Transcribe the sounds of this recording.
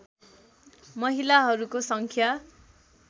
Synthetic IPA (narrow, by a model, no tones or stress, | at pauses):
mʌɦilaɦʌɾukosʌŋkʰja